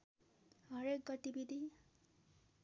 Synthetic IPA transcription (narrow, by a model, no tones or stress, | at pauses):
ɦʌɾek̚ɡʌʈibid̪ʱi